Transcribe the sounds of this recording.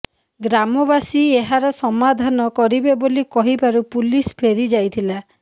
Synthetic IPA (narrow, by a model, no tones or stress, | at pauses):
ɡɾamɔbasieɦaɾɔsɔmad̪ʱanɔkɔɾibebolikɔɦibaɾupulispʰeɾid͡ʒajt̪ʰila